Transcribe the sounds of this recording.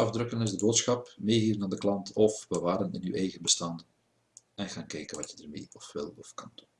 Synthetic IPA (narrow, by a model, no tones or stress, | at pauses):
ɑvdrɵkənɪzdəboːtsxɑpmeːɦiːvənaːndəklɑntʰɔfbəʋaːɾənɪny̰ːwʔɛjɣənbəstɑn | ɛnɣaːnkɛjkənʋɑtjədərmḛːɔfʋɪ̰lˠɔfkɑndun